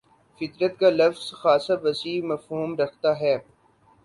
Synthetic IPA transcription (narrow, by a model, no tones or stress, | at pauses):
fɪt̪ɾət̪kalɐfz̥xaːsabɐsiːmɐfɦuːmɾɐkʰt̪aɦɛː